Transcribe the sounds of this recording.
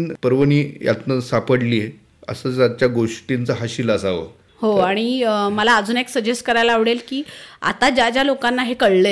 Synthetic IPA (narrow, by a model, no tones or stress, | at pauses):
npəɾʋəniːja̰t̪nəsapəɽliːe | ə̰səːt͡sad̪̚t͡ɕjaɡoʂʈint͡səɦaɕiləsaʋə̰ | hoaɽ̃iməlaəd͡zuːneksəd͡ʑesʈkəɾajlaʋɽelkiːa̰t̪ad͡ʑjad͡ʑjalokanːaɦekəɽlə